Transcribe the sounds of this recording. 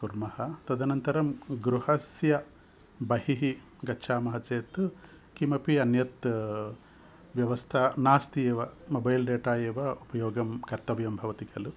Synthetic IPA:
kuɾmɐhɐt̪ɐd̪ʱɐnɐnt̪ɐɾɐmɡɾuhɐsjɐ | bɐhiɦi | ɡɐtːʃʰaːmɐɦɐt͡ʃeːt̪ | kimɐpiɐnjɐt̪ | ʋjɐʋɐst̪ʰɐnaːst̪ieːʋɐmɐbɐjlɖeːʈaːjeːʋɐupɐjoːɡɐmkɐɾt̪ɐʋjɐmbʱɐʋɐt̪ikʰɐlu

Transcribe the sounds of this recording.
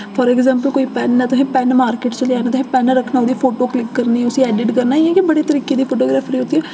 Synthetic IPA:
fʰɔːɾɛːɡzɛ̃ːmpəlkoːiːpɛːnːɛːt̪ʊsẽːpɛːnmaːɾkeːʈt͡ʃəleaːneːt̪ʊsẽːpɛːnɾəkʰnaːʊd̪iːpʰoːʈoːklɪkːəɾniːʊsiːɛːɖɪʈkəɾnaːɪɛ̃kɪbəɽeːt̪əɾiːkeːd̪iːpʰoːʈoːɡɾaːpʰɾiːʊt̪ːiɛː

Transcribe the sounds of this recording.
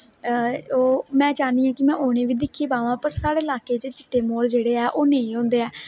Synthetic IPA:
oːmɛ̃ːt͡ʃaːniːãːkɪmɛ̃ːʔoːɽ̃eːʋiːd̪ɪkʰːeːpaːʋãːpəɾsaːɽeːɪlaːkeːt͡ʃet͡ʃɪ̥ʈːeːmoːld͡ʒeːɽeːɛːʔoːnẽĩːõːnd̪eːɛː

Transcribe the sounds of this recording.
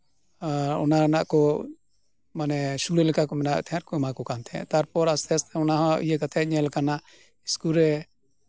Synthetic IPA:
ɔ̰nanaʔkɔ | manɛsuɽɛlɛkakɔmɛna̰ʔt̪ʰɛjaɾkɔɛmakɔkant̪ʰɛ̰̃t̪aɾpɔɾast̪ɛast̪ʰɛɔnaɦɔ̃ḭjekat̪ʰɛɲɛlkana | iskulɾɛ

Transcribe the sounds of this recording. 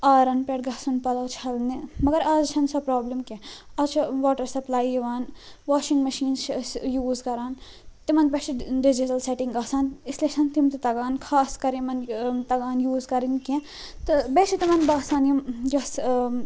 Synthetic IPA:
aːɾɐnpeːʈɡɐsunpɐlɐːt͡ʃʰɐlnemɐɡɐɾaːd͡ʒt͡ʃʰɐnsɐpɾaːblɐmkẽɐt͡ʃʰaʋaːʈɐɾsɐplaːijiʋaːnʋaːʃĩŋɡmɐʃiːnssjuːzkɐɾaːn | t̪imɐnbɐt͡ʃʰiɖɪd͡ʒiʈɐlseʈĩŋɡaːsaːnisleʃʰɐnt̪imt̪ɐt̪ɐɡaːnkʰaːskɐɾẽmɐnt̪ɐɡaːnjuːzkɐɾinkẽ | t̪ɨbeːʃʰit̪imɐnbaːsaːnimd͡ʒɐs

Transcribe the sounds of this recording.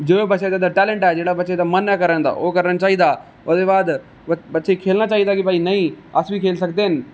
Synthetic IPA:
d͡ʒoːbɐtːʃet̪ad̪aʈɛːlẽɳʈaːɦed͡ʒeːɽabəːʃet̪amɐnɛkɐɾə̃nd̪a̰ːʔoːkɐɾnə̃t͡ʃaːɦid̪a | od̪ebaːd̪ | bɐtːʃekʰeːlnat͡ʃaːɦid̪akipaːinɐĩɐsbikʰeːlsɐɡd̪eɦɪnɪ̆

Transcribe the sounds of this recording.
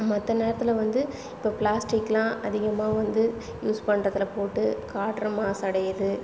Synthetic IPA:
mɔt̪ːɐneːɾɐt̪ːɪlɐʋɐnd̪ɯ | ɪpːɐːplaːsʈɪkːlãːʔɐðɪɣɐmaːʋɐnd̪ɯ | juːspɐɳːɾɐt̪ːɪlpoːʈːɯkaːʈɐɾɐmaːsɐɽɐjɐðɯ

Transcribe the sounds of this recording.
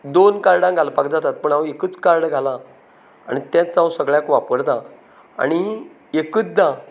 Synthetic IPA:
d̪onkaɾɽãŋɡʱalapakd͡zat̪at̪̚pəɳaekət͡skaɾɽɡʱalã | a̰ɽ̃it̪jãt͡st͡sːawsəɡɭjãkʋapəɾt̪ã | a̰ɽ̃i | ekət͡sd̪a

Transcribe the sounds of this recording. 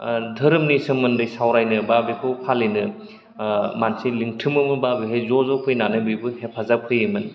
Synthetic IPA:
dʱɐɾɯmnisɯmːɯndɯjsawɾajnɯbabekʰɯpʰalenɯ | mansiliŋtʰɯmɯmɯbabeɦejzɔzɔpʰɯjnanɯbɯjbɯhepʰazap̚kʰɯjɯmɯn

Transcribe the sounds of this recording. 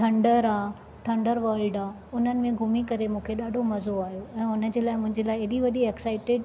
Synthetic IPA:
ʈʰɐ̃ɳɖəɾaː | ʈʰɐ̃ɳɖəɾʋɐlɖaː | ʊn̤ənɪ̆mẽɡʱʊmikɐɾemũːkʰeɗaːɖʱomɐzoaːɦijoɛ̃ːʊnə̆d͡ʑeːlaːɪmʊ̃ɦɪ̃ɲd͡ʑelaːɪɐɗiʋɐɗiɛksaːɪʈɪɖ

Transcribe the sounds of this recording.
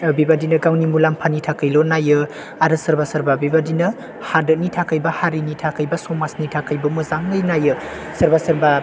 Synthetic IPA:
bibadinɐɡawnimulampʰanitʰakɯjlonajɯ | aɾɯsɐɾbasɐɾbabibadinɐ | hadɯnitʰakɯjbɐhaɾinitʰakɯjbɐsɔmasnitʰakɯjbɐmɯzaŋɡɯjnajɯ | sɐɾbasɐɾba

